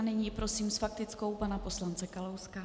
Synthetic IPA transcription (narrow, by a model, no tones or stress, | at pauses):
nɪɲiːpɾo̞siːmsfak̚t̪ɪt͡sko̞wpanapo̞slant͡sɛkalowska